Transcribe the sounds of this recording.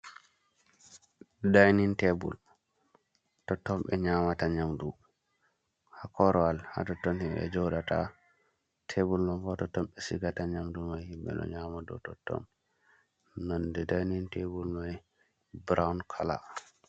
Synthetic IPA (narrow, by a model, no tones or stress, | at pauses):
dajnintebṵl | tɔtːɔmɓɛɲaːmataɲamdu | hakɔɾɔalha̰tɔtːɔnhimbɛ̰d͡ʒɔɗata | tʰebulnɔnfɔtɔtːɔmɓɛsiɡataɲamdumajhimɓɛ̰ɗɔ̰ɲamadɔ̰tɔtːɔ̰m | nɔndɛdajnintebulmaj | bɾawnkʰala̰